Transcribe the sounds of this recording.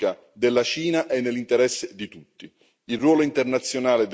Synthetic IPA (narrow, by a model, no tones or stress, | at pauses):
a | d̪elːat͡ʃiːnaʔɛnːelːint̪ɛɾɛsːɪd̪it̪ut̪ːi | ilrwɔːloint̪ɛrnat̪sːjonaːlɪd̪